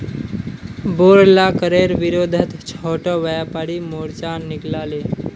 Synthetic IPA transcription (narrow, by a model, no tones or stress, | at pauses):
boːɾlakəɾeɾʋiɾoːd̪ʱət̪t͡ʃʰɔːʈɔʋəjapaɽimoɽt͡ʃaːnɪklaːle